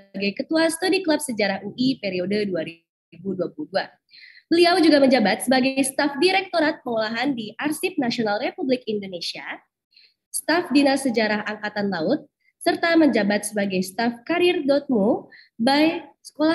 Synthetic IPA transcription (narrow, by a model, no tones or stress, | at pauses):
əɡajkət̪uasət̪udiklap̚səd͡ʒaɾahuʔipeɾiodəduaɾi | buduapuluhdua | bəliawd͡ʒuɡaməɲd͡ʒabat̪̚səbaɡajst̪afdiɾɛk̚t̪oɾat̪̚pəŋolaɦandiʔarsip̚nasionalrepublɪkindonesia | st̪afdinasəd͡ʒaɾaɦaŋkat̪anlaʊt̪̚ | sərt̪aməɲd͡ʒabat̪̚səbaɡajst̪afkaɾɪrdɔt̪̚mu | bajsə̥kola